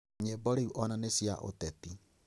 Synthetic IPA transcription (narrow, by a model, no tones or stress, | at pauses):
ɲebɔɾeuʔɔnanesiaʔo̰tɛti